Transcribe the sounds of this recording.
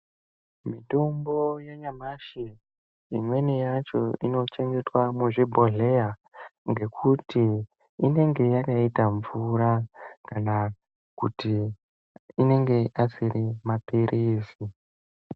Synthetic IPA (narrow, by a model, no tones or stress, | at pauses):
mito̞mbo̞jeɲamaʃe | imwe̞nijat͡ʃo̞̰ino̞t͡ʃe̞ŋɡe̞twamuʐibʱo̞ɮe̞aŋɡe̞kʰutʰiː | ne̞ŋɡe̞jakaitaɱvuɾakana | kuti | ine̞ŋɡe̞ʔasiɾimapiɾʔiːsi